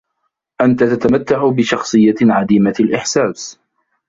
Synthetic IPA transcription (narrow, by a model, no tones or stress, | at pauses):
ʔant̪at̪at̪amat̪ːaʕʊbɪʃɑxsˤɨjːaʕad̪iːmalʔɪħsaːs